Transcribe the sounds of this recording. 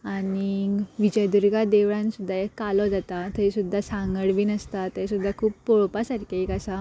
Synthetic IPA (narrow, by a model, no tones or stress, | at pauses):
aniʋid͡ʑəjd̪uɾɡad̪eʋɭãnsud̪ʱːaekːalɔd͡zat̪at̪əisud̪ʱːasãŋɡəɽʋiːnəst̪at̪əsud̪ʱːakʰuːp̚poɭpasaɾkeikasa